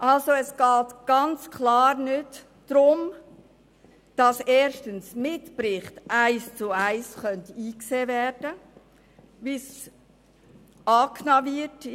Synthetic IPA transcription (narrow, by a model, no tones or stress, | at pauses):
ʔɑlsoɛsɡ̥ɑːtɡ̥ɑnt͡skʰlɑːɾnʏt | d̥ɾʊm | d̥ɑsɛːɾʃtənsmɪtpɾɪχtʔæɪst͡sʊæɪsχœntiːkseːvɛːɾd̥ə | bɪs | ɑːkʰnɑvɪt